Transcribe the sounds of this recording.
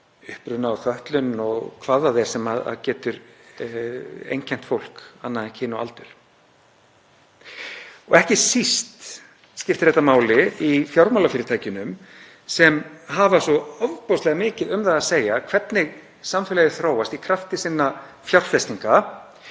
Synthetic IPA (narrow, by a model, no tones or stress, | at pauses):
ʏhpɾʏnaːwθœht̪lʏnɔɣkʰvaðaðɛɾ̥sɛmaða̰ðcɛːt̪ʏɾ | ḛjncʰɛn̥t̪fowl̥kanːaðɛncʰɪːnɔa̰lt̪ʏɾ̥ | ɔɣɛhcɪsist̪ | scɪft̪ɪ̥ɾɛht̪amaːwlɪifjawɾmawlafɪːɾɪɾt̪ʰaːjcɪnʏm | sɛmɦavasɔɔvpowst̪ɛɣamɪːcɪðʏmðaðaseːjakʰvɛt̪nɪɣ | samfɛlɛɣɪθɾoːwast̪ikʰɾaft̪ɪsinːa | fjawr̥fɛst̪iŋka